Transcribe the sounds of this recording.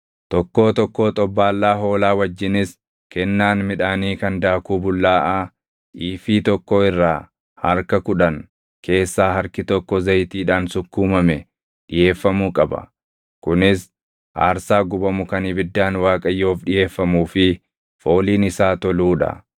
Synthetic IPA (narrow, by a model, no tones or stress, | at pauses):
t̪ɔkːo̞ːt̪ɔkːoːt̪ʼɔbːaːlːaːɦo̞ːlaːwɐd͡ʒːɪnɪs | kɛnːaːnmɪᶑaːniːkɐnd̪aːkuːbʊlːaːʔa | ʔiːfiːt̪ɔkːoɪrːaː | hɐɾkɐkʊᶑɐn | ke̞ːsːaːɦɐɾkɪt̪ɔkːɔzɐjt̪iːᶑaːnsʊkːuːmɐmɛ | ᶑɪje̞ːfːɐmuːkʼɐbɐ̰ | kʊnɪs | ʔa̰ːɾsaːɡʊbɐmʊkɐnɪbɪd̪ːaːnwaːkʼɐjːo̞ːfɗɪje̞ːfːɐmuːfɪ | fo̞ːliːnɪsaːt̪ɔluːᶑɐ̰